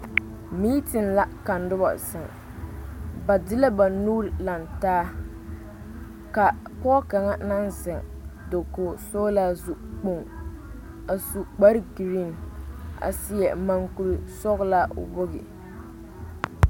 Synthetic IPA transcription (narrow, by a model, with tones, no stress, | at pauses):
mi˦tɪ˨nla˦ka˨ndʊ˦ba̰˨sɪ˨ŋ | ba˨dɪ˦la˦ba˨nu˦ɾla˨ntaː˦ | ka˨pɔ˦ka˨ŋa˦na˦nzɪ˨ŋ | do˨koː˨soː˦la˦zu˦˨k͡po˦ŋ | a˨su˨k͡pa˦ɾɡi˨ɾi˦˨n˨a̰˨sɪ˦jɛ˨ma˨ŋku˨ɾi˨sɔ˦ɣla̰˦bʊ˦ɣɪ̰˨